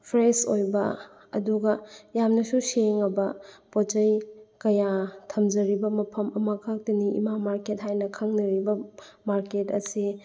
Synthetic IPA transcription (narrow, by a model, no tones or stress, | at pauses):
pʰɾesojbɐ | ɐ̰duɡɐjamnɐsuseŋɐbɐpot͡ʃɐjkɐjatʰɐmd͡ʒɐɾibɐmɐpʰɐmɐmɐkʰɐk̚tiniḭmamaɾket̚ɦajnɐkʰɐŋnɐɾibɐmaɾketɐsi